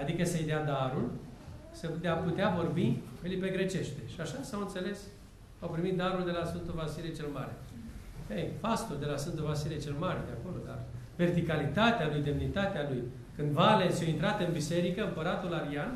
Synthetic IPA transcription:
ad̪ikəsejd̪ead̪aɾul | səd̪eaput̪eavo̞rbielipe̞ɡɾe̞t͡ʃe̞ʃt̪e̞ʃiaʃasawɨnt̪se̞le̞s | awpɾimit̪̚d̪aɾuld̪e̞lasɨnt̪o̞vasilet͡ʃelmaɾe̞̰ | ejfast̪uld̪e̞lasɨnt̪ovasilet͡ʃe̞lmaɾed̪eako̞lo̞d̪a̰r | ve̞rt̪ikalit̪at̪ealujd̪e̞mnit̪at̪ealuj | kɨnd̪valensjojint̪ɾat̪ɨnbise̞ɾikəɨmpəɾat̪ulaɾian

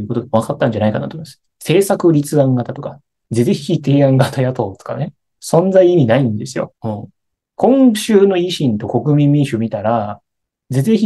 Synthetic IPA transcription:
ɯ̟ko̞t̪oɡ̪eβakat̪ːãɲ̟d͡ʑanaikana̰t̪omd̥̪s | se̞ːsakɯ̟ɾʲit͡sɨãŋɡat̪at̪o̞ka | d͡zeeçʲit̪e̞ːãŋɡat̪ajat̪o̞ːt̪o̥ka̰ne̞ | sõ̞nd͡zaiimʲinaĩnd̪e̞sɨjo̞̰ɯ̃ɴ | kʰõ̞ŋ̃ɕɨːno̞iɕĩnt̪o̞ko̞kɯ̟mʲĩmːʲĩɰ̃ɕɨmʲit̪aɾa | d͡zezeçi

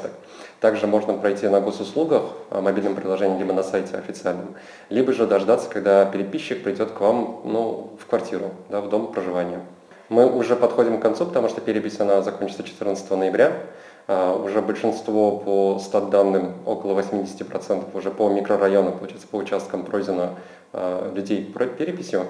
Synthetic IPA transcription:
t̪ək | t̪aɡʐɨmo̞ʐnəpɾɐjtʲinɐɡo̞sʊslˠuɡəxmɐbʲilʲnəmpɾʲɪlˠɐʒʐɛnʲɪmlʲibənɐsajtʲɪɐfʲɪt̪sɨalʲnəm | lʲibəʐɨd̪ɐʐd̪at̪sːə̥kɐɡ̚d̪apʲɪɾʲɪpʲiɕːɪk̚pɾʲɪdʲo̞t̪kvamnufkvɐrtʲiɾʊd̪avd̪o̞mpɾəʐɨvanʲɪjə | mɨʔʊʐɛpɐt̪xo̞dʲɪmkɐnt̪supət̪ɐmuʂt̪opʲɪɾʲɪpʲɪsʲɐnazɐkonʲt͡ɕɪt̪sət͡ɕɪ̥t̪ɨrnt̪sə̥t̪əvənəjɪbɾʲa | aʊʐɛbəlʲʂɨnst̪vo̞pʰost̪ad̪̚d̪ːanːɨmo̞̰kəlˠəvɐsʲmʲidʲɪsʲɪ̥tʲɪpɾɐt̪sɛnt̪ə̥fʊʐɛpəmʲɪkɾərɐjo̞nʊpəlˠʊt͡ɕajɪt̪sə̥pəʊt͡ɕast̪̚kəmpɾozʲɪnə | lʲʉdʲejpɾopʲeɾʲɪpʲɪsʲjʊ

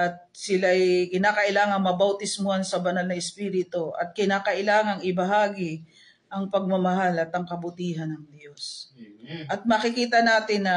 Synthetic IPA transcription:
ʔɐt̪̚sɪlaɐjkɪnaːkɐʔɪlaːŋɐŋmɐbɐwt̪ɪsmoansɐbɐnalnɐɪspiːɾɪt̪oʔɐ̰t̪̚kɪnaːkɐʔɪlaːŋɐŋɪbɐɦaːɡɪ | ʔɐŋpɐɡ̚mɐmɐɦalɐt̪ɐŋkɐbʊt̪iːɦɐnɐŋd̪jo̞s | ʔɐt̪̚mɐkɪkiːt̪ɐnaːt̪ɪnːɐ

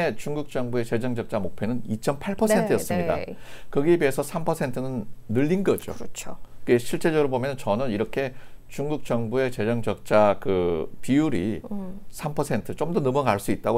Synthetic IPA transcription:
et͡ɕuŋɡuk̚t͡ɕ͈ʌŋbue̞t͡ɕe̞d͡ʑʌŋd͡ʑʌk̚t͡ɕ͈amok̚pʰe̞nɯnit͡ɕ͈ʌmpʰaɭpʰʌsʰe̞ntʰɯjʌs͈ɯmɲida̰kɯɡibiesʰʌsʰampʰʌsʰe̞ntʰɯnɯnːɯʎːinɡʌd͡ʑo̰t͡ɕʰokeɕʰiɭt͡ɕ͈e̞d͡ʑʌɡɯɾobomjʌnt͡ɕʌnɯniɾʌkʰe̞t͡ɕuŋɡuk̚t͡ɕ͈ʌŋbue̞t͡ɕe̞d͡ʑʌŋd͡ʑʌk̚t͡ɕ͈akɯ̰piuɾḭ | sʰampʰʌsʰe̞ntʰɯt͡ɕ͈omdʌnʌmʌɡaɭs͈uit̚t͈aɡo

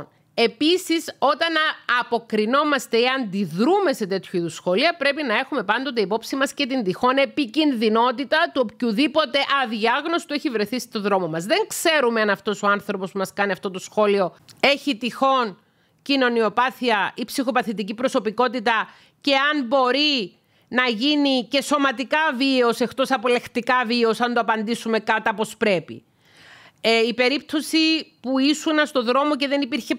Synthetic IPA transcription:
e̞pisiso̞t̪ɐnɐpo̞kɾino̞mɐst̪e̞iɐnd̪iðɾume̞se̞t̪e̞t̪çuiðusxo̞liɐpɾe̞pinɐe̞xume̞pɐnd̪o̞t̪̬eipo̞psimɐsce̞t̪ind̪ixo̞ne̞picinðino̞t̪it̪ɐt̪uopçuðipo̞t̪e̞ʔɐðiɐɣno̞si̥t̪ueçivɾe̞θist̪o̞ðɾo̞mo̞mɐzðe̞ŋkse̞ɾume̞ɐnɐft̪o̞so̞ɐnθɾo̞po̞spumɐskɐniɐft̪o̞t̪o̞sxo̞lio̞e̞çit̪ixo̞n | cino̞nio̞pɐθiɐipsixo̞pɐθit̪icipɾo̞so̞piko̞t̪it̪ɐ | ce̞ɐmbo̞ɾi | nɐʝinice̞so̞mɐt̪ikɐviose̞xt̪o̞sɐpole̞xt̪ikɐvio̞sɐnd̪oɐpɐnd̪isume̞kɐt̪ɐpo̞spɾe̞pḭ | eipe̞ɾip̚t̪o̞sipuisunɐst̪o̞ðɾo̞mo̞ce̞ðe̞nipiɾçe̞

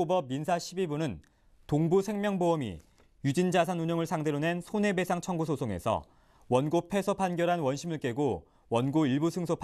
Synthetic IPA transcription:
obʌb̚ːinsʰaɕʰibibunɯn | toŋbusʰe̞ŋmjʌŋboʌmḭ | jud͡ʑind͡ʑasʰanuɲʌŋɯɭsʰaŋdeɾone̞nsʰone̞be̞sʰaŋt͡ɕʰʌŋɡusʰosʰoŋe̞̰sʰʌ̰ | wʌnɡopʰe̞sʰopʰanɡjʌɾɦanwʌnɕʰimɯɭk͈e̞ɡo | wʌnɡoiɭbusʰɯŋsʰopʰ

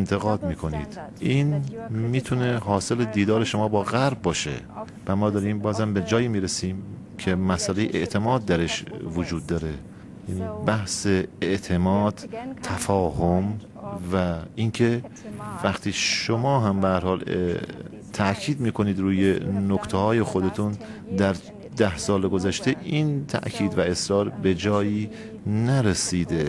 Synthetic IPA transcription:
nt̪ʰeɣɒːd̪miːkʰo̞niːd̪̥ʔiːnmiːt̪ʰuneɦɒːse̞led̪iːd̪ɒːɾeʃo̞mɒːbɒːɣæɾb̚ːɒːʃḛ | væmɒːd̪ɒːɾiːmbɒːzhæmbed͡ʒɒːjiːmiːɾesiːm | cʰemæsʔælejḛʔḛʔt̪ʰe̞mɒːd̪̚ːæɾeʃvod͡ʒuːd̪ːɒːɾe | jnibæhseeʔt̪ʰe̞mɒːd̪̥t̪ʰːæfɒːɦom | væinkʰe̞væχt̪ʰiːʃomɒːɦæmbehæɾhɒːl | t̪ʰæʔkʰiːd̪miːkʰo̞niːd̪ɾuːjenokt̪ʰehɒːje̞xod̪et̪ʰun | d̪æɾ | d̪æhsɒːleɡozæʃt̪ʰeʔiːnt̪ʰæ̰ʔcʰiːd̪væe̞sɾɒːɾbe̞d͡ʒɒːjiː | næɾesiːd̪e

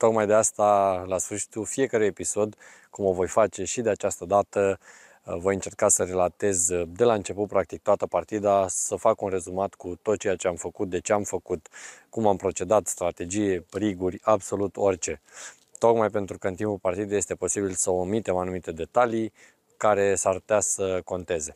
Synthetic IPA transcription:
t̪o̞kmajd̪east̪alasfɨrʃi̥t̪ulfije̞kəɾuje̞piso̞d̪ | kumovo̞jfat͡ʃe̞ʃid̪e̞at͡ʃast̪əd̪at̪ə | vo̞jɨnt͡ʃe̞rkasəɾe̞lat̪e̞zd̪e̞laɨnt͡ʃe̞put̪̚pɾak̚t̪ik̚t̪oat̪əpart̪id̪asəfakunre̞zumat̪kut̪o̞t̪̚t͡ʃe̞jat͡ʃe̞amfəkut̪̚d̪e̞t͡ʃe̞amfəkut̪kumampɾo̞t͡ʃe̞d̪at̪st̪ɾat̪e̞d͡ʒijeriɡurʲabso̞lut̪o̞rʲt͡ʃe̞ | t̪o̞kmajpe̞nt̪ɾukəɨnt̪impulpart̪id̪ejest̪e̞po̞sibilsəomit̪e̞manumit̪e̞d̪e̞t̪alij | kaɾe̞sau̥t̪asəko̞nt̪e̞ze̞

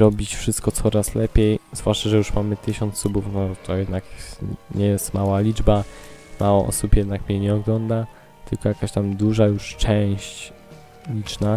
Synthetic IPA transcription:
ɾɔbʲit͡ɕfʂɘst̪̚kɔt̪sɔɾaslɛpʲjejzvwaʂt͡ʂaʐɛjuʂmamɘt̪ɘɕɔnt̪subufnɔt̪ʰɔjɛd̪nakɲɛjɛst̪mawalʲid͡ʐbamawɔʔɔ̰supjɛd̪nakmɲɛɲɛɔɡlɔnd̪a | t̪ɘlkɔjakaɕt̪amd̪uʐajuʂt͡ʂɛw̃ɕt͡ɕ | lʲit͡ʂna

